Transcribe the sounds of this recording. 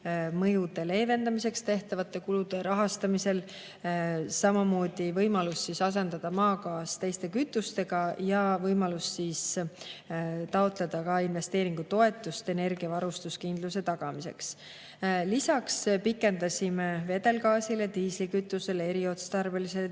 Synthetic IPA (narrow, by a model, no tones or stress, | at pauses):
mɤjud̪e̞le̞ːve̞nd̪ɑmise̞kst̪e̞ht̪ɑvɑt̪ˑːe̞kulud̪̥e̞ɾɑɦɑst̪ɑmise̞l | sɑmɑmo̞ːd̪̥ivɤjmɑlusːisɑs̬e̞nd̪̥ɑd̪̥ɑmɑːkɑːst̪e̞jst̪e̞kyt̪ːˑust̪e̞ɡ̥ɑjɑvɤjmɑlusːiːs | t̪ɑot̪le̞d̪̥ɑkɑinve̞st̪e̞ːɾiŋɡut̪o̞e̞t̪ːˑust̪e̞ne̞rɡ̥iɑvɑɾust̪uskind̪̥luse̞t̪ɑɡ̥ɑmise̞̰ks | lisɑkspikːˑe̞nd̪ɑsʲimeve̞d̪e̞lkɑːsile̞t̪iːslikyt̪ːˑuse̞le̞ɾio̞t̪st̪ɑrbelisel